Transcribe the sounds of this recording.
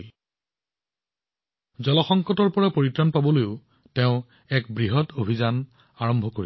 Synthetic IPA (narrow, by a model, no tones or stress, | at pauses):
zɔlɔxɔŋkɔtɔɹpɔɹapoɹitɹɔnpabɔlojʊ | tɛʊ̃ | ɛkbɹiɦɔtobʱizan | aɹɔmbʱɔkoi